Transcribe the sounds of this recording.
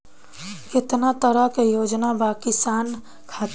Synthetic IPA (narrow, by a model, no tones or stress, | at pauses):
kɪt̪nat̪əɾəɦkejod͡ʒnabakisan | kʰat̪